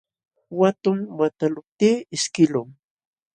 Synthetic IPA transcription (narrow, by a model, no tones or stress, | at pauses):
wat̪ʊŋwat̪alʊp̚t̪iːɪʃkɪlʊŋ